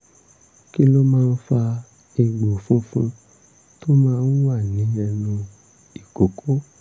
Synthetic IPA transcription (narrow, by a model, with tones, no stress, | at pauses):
ki˦lo˦mãː˦˧n̩˦fa˧ | e˧ɡ͡bo˨fũ˦fũ˦ | to˦mãː˦˧n̩˦wa˦˨nĩ˨˦ɛ˧nũ˧ | i˨ko˨kʰo˦